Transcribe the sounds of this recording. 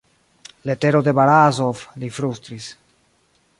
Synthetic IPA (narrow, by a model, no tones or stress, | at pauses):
le̞teɾod̪e̞baɾazoflifɾust̪ɾis